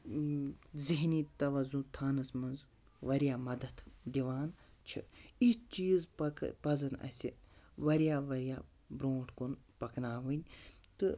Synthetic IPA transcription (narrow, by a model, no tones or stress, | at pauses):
ziɦniːt̪ɐʋɐzũt̪ʰaːnɐsmɐnz | ʋɐɾjaːmɐd̪ɐt̪d̪iʋaːnt͡ʃʰḭit͡ʃiːzpɐkpɐzɐnɐ̰sʲḭ | ʋɐɾijaːʋɐɾijaː | bɾoːʈkon | pɐknaːʋɨnʲ | t̪ɨ